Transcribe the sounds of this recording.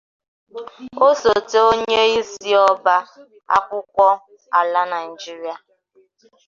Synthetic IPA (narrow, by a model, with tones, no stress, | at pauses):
o˦so˨te˨o˦ɲe˦i˦si˦ɔ˦ba˦ | a̰˦kʷʊ˦kʷɔ˦ | a˨la˦na˨ɪ˨d͡ʒi˦ɾi˦a˨